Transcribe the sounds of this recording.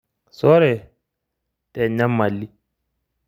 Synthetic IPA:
sɔ˦ɾɛ˨ | tɛ˨ɲːa˦mːa˨lːi˦

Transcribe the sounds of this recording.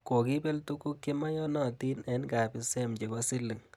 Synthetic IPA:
ko˨ki˦pe˦ltu˦ku˦kːi˦ma˦jɔ˦nɔ˨ti˦nɛ˦nka˨pi˦sɛ˦mt͡ʃe˨kɔ˦si˦lːi˨ŋ

